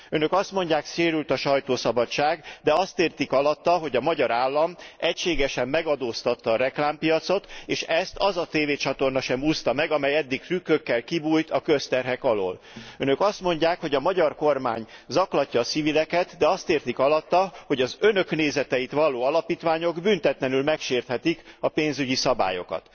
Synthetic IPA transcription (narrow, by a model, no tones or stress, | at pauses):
ønø̞kɒst̪mo̞ɲɟaːkʃeːɾylt̪ɒʃɒjt̪oːsɒbɒt͡ʃːaːɡd̪ɛɒst̪eːrt̪ikɒlɒt̪ːɒɦo̞ɟɒmɒɟɒɾaːlːɒmʔɛcʃeːɡɛʃɛmːɛɡɒd̪oːst̪ɒt̪ːɒːɾɛklaːmpijɒt̪so̞t̪eːʃɛst̪ɒzɒt̪eːveːt͡ʃɒt̪o̞rnɒʃɛmuːst̪ɒmɛɡɒmɛjɛd̪ːikt̪rykːøkːɛlkibuːjt̪ɒkøst̪ɛrɦɛkɒlo̰ːl | ønø̞kɒst̪mo̞ɲɟaːkho̞ɟɒmɒɟɒrkorma̰ːɲzɒklɒcːɒːsivilɛkɛt̪d̪ɛɒst̪eːrt̪ikɒlɒt̪ːɒho̞ɟɒzø̞nøkneːzɛt̪ɛjit̪ʋɒloːɒlɒpiːt̪ʋaːɲo̞ɡbynt̪ɛt̪lɛnylmɛkʃeːrt̪hɛt̪ikɒpeːnzyɟisɒba̰ːjo̞̰kɒ̰t̪